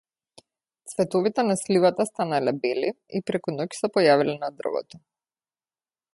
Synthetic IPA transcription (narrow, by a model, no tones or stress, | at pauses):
t̪svɛt̪ɔvit̪ɛnaslivat̪ast̪analɛbɛli | ipɾɛkunɔcsɛpɔjavilɛnad̪r̩vɔ̰t̪ɔ